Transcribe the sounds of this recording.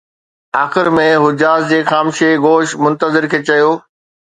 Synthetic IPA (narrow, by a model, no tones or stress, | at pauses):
aːxɪɾmẽɦʊd͡ʑaːzd͡ʑeːxaːmʃeɡoːʃmʊ̃nt̪əzɪɾkʰeːt͡ɕɐjoː